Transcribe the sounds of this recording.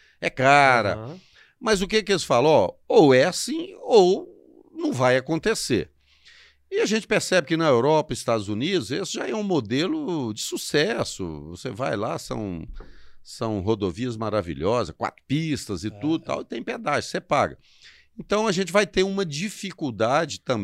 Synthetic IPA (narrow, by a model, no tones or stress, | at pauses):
ɛkaɾɐ̰ | mɐzʊkekɪelɪsfalɐ̃ɔowɛasĩow | nɐ̃w̃vajakõnt̪esḛɾ | ɪaʒẽnt͡ʃɪ̥peɾsɛbɪkɪnɐewɾɔpɐɪst̪ad̪ʊzunid̪ʊzesɪʒaɛũmod̪elʊd͡ʒɪsusɛsʊ̰vo̰seva̰jla̰sɐ̰̃w̃ | sɐ̃w̃ɦod̪oviɐzmaɾavḭʎɔzɐ̰skwa̰t̪ɾʊ̥pist̪ɐzɪt̪ud̪ʊt̪a̰wɪt̪ẽj̃ped̪aʒʊsepaɡɐ̰ | ẽnt̪ɐ̃w̃ɐʒẽnt͡ʃɪvajt̪eɾũmɐd͡ʒifikuwd̪ad͡ʒɪt̪ɐ̃